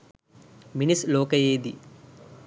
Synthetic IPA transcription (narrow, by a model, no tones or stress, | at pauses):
minislɔːkɐjeːd̪i